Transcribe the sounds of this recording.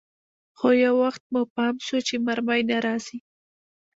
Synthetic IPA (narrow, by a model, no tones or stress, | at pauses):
xojawːaxt̪̚mupɑmʃut͡ʃemaɾmajnaɾɑz̥i